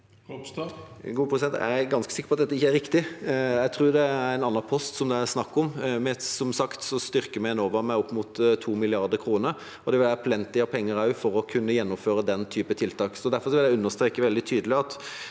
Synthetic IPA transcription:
ɡuːəpʰɾəsɪd̪ɛnt̪æ̰ɪɡɑnskəsɪkːəpɑt̪d̪ɛt̪ːɪçːəæɾɪkt̪ɪjæɪt̪ʰɾʉːd̪ɛæɾæɪnɑnːɑpʰɔst̪sɔmd̪ɛæsnɑkːɔmmɛsɔmsɑkt̪sɔst̪ʏɾkəmɛɛnoːʋəɾmæɪɔpːmʊt̪t̪ʰːuːmɪlɪɑʁd̪əkʰɾuːnəɾ | ɔd̪ɛʋɪlæːɾpʰlɛnt̪ɪɑpʰɛŋːəɾɑʉfɔɾɔkʰʉnːəjɛnːɔmføːɾəd̪ɛnt̪ʰyːpət̪ʰɪlt̪ɑːksɔd̪æɾfɔɾsɔʋɪljæɪʉnːəʁst̪ɾeːkəʋɛld̪ɪt̪ʰyːd̪əlɪɑt̪

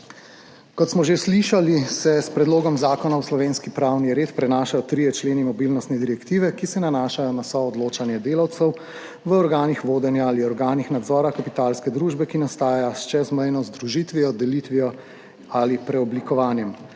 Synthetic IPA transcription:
kɔt̪smɔʒesliʃalisɛspɾɛd̪loːɡɔmzaːkɔnawslɔʋeːnskipɾawniɾeːt̪pɾɛnaːʃajɔt̪ɾiːjɛt͡ʃleːnimɔbilnɔst̪nɛd̪iɾɛkt̪iːʋɛkisɛnanaːʃajɔnasɔːd̪loːt͡ʃanjɛd̪eːlawt̪sɛw | ʋəɔɾɡaːnixʋoːd̪ɛnjaːliɔɾɡaːnixnad̪zɔːɾakapit̪aːlskɛd̪ɾuːʒbɛkinast̪aːjjast͡ʃɛzmɛjnɔzd̪ɾuʒit̪ʋiɔd̪ɛlit̪ʋiɔ | alipɾɛɔblikɔʋaːnjɛm

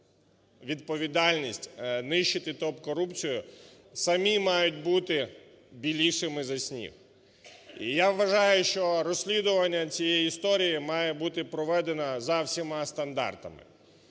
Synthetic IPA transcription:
ʋʲid̪pɔʋʲid̪ɑlʲnʲisʲtʲnɪʃt͡ʃɪt̪ɪt̪ɔpkɔɾupt͡sʲijʊ | sɐmʲimɑjʊt̚ʲbut̪ɪ | bʲilʲiʃɪmɪzɐsʲnʲḭw | ijaʋːɐʒɑjʊʃt͡ʃɔɾɔsʲlʲid̪ʊʋɐnʲːɐt͡sʲijɛjiist̪ɔɾʲijimɑjɛbut̪ɪpɾɔʋɛd̪enɐzɐwsʲimɑst̪ɐnd̪ɑ̰rt̪ɐ̰mɪ̰

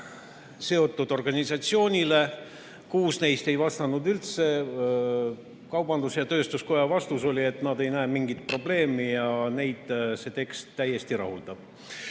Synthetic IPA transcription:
se̞o̞t̪ːˑud̪̥o̞rɡ̥ɑnʲisɑt̪sio̞ːnʲile̞ | kuːsne̞jst̪e̞jvɑst̪ɑnud̪ylt̪se̞ | kɑwb̥ɑnd̪usjɑt̪ø̞ːst̪usko̞jɑvɑst̪uso̞lʲie̞t̪ːˑnɑd̪e̞jnæːmiŋɡ̥it̪̚pro̞ble̞ːmijɑne̞jd̪̥se̞t̪e̞kst̪ːæje̞st̪iɾɑ̰huld̪̥ɑb̥

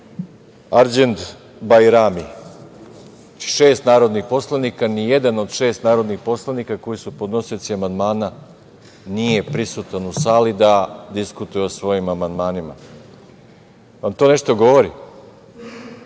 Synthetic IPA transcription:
aɾd͡ʑend̪ | bajɾami | ai̥ʃe̞ːst̪naːɾo̞d̪nixpo̞slanikanije̞d̪ano̞d̪ʃe̞ːst̪naːɾo̞d̪nixpo̞slˠanikako̞jisupo̞d̪no̞sijosiamand̪maːna | nije̞pɾisut̪anusaːlid̪ad̪iskut̪ujeosʋo̞jimamand̪maːnima̰ | ʋamt̪o̞ːne̞ʃt̪o̞ɡo̞ʋo̞ɾi

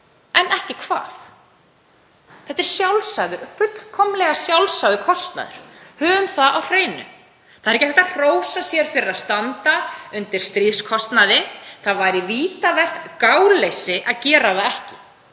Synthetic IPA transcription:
ɛnɛhcɪkʰva̰ːθ | θɛt̪ːɛɾ̥sjawlsaðʏɾfʏt̪l̥kʰɔmlɛɣasjawlsajðʏkʰɔst̪na̰ðʏɾ̥hœːɣʏmθaðawr̥eːjnʏ̰ | θaðɾɛcːɛhvfɛ̥t̪ar̥r̥oːwsasjɛɾ̥fɪɾɪɾaðst̪ant̪aʏnt̪ɪɾ̥st̪ɾiðskʰɔst̪naðɪθaðvajɾɪviːt̪avɛr̥t̪kaːwlejsɪʔaðcɛːɾaðaɛhcɪ

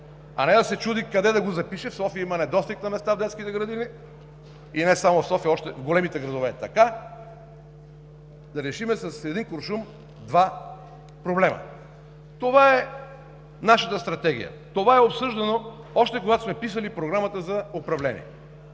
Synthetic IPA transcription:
ɐ̰nɛd̪ɐsɛt͡ʃud̪ikɐd̪ɛd̪ɐɡozɐpiʃɛfsɔfijəimɐnɛd̪ɔst̪iknɐmɛst̪avd̪ɛt̪skit̪ɛɡɾɐd̪ini | inɛsamofsɔfijəɔʃt̪ɛvɡolɛmit̪ɛɡɾɐd̪ovɛt̪ɐka | d̪ɐɾɛʃimɛsɐsɛd̪inkoɾʃum | d̪va | pɾoblɛmɐ̰ | t̪ovaɛ | naʃət̪əst̪ɾɐt̪ɛɡ̟ʲḭjə̰ | t̪ovaɛopsɤʒd̪ɐno | ɔʃt̪ɛkoɡat̪o̥smɛpisəlipɾoɡɾamət̪əzɐopɾɐvlɛnḭɛ

